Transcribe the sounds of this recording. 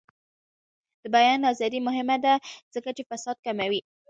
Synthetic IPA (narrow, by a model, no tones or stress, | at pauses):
d̪̥əbajɑnɑzɑd̪imʊɦɪmad̪az̥əkat͡ʃefasɑd̪̚kamawi